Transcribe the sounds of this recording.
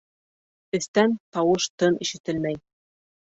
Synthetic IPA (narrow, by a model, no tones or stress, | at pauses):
ɵ̆θt̪ænt̪ɑwɤʃt̪ɤniʃɘ̆t̪ɘlmæj